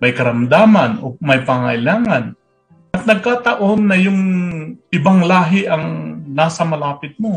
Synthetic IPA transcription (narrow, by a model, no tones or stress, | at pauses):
mɐjkɐɾɐmd̪aːmɐnʔo̰mɐjpaŋɐ̰ʔɪlaːŋɐn | ʔɐt̪̚nɐɡ̚kaːt̪ɐʔo̞nːɐjʊŋʔɪbaŋlaːɦɪʔɐŋnaːsɐmɐlaːpɪt̪̚mo̞